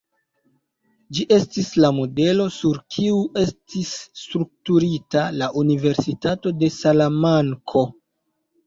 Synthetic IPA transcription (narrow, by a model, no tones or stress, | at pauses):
d͡ʒiʔe̞stislamo̞de̞lo̞suɾkʰiuʔe̞stisːtɾuk̚tuɾitalaʔunive̞ɾsitato̞de̞salamaŋkʰo̞